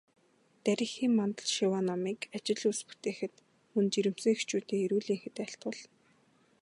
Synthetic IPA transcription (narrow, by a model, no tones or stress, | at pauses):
t̪æɾʲɪ̆xiːmːant̪ə̆ɮʃiwanɔmiːkat͡ɕɪ̆ɮuspu̥t̪eːxɘ̆t̪ | mɵnt͡ɕiɾɘ̆m̥sɘ̆ŋext͡ɕuːt̪eːiɾuːɮiːŋxɘ̆t̪æɬt̪ʊːɮn